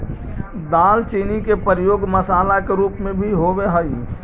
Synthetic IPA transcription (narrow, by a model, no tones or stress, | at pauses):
d̪aːlt͡ʃiːnikepəɾjoːɡməsaːlakeɾuːpmẽbʱiɦobeɦəj